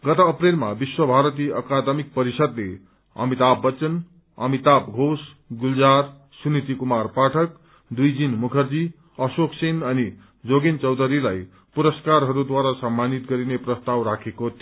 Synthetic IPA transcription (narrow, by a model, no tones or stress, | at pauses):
ɡʌt̪ʌːprelmabiswʌbʱaɾʌt̪̬iʔʌkad̪mik̚pʌɾisʌd̪le | ʌ̰mit̪abːʌt͡sʌn | ʌ̰mit̪apɡʱos | ɡuld͡zaɾ | sunit̪ikumarpaʈʰʌk | d̪ujd͡zinmukʰʌrd͡zi | ʌsoksinʌni | d͡zoɡint͡sʌwd̪ʌɾilaj | puɾʌskarɦʌɾud̪waɾasʌmːanit̪ɡʌɾineprʌst̪awɾakʰekot̪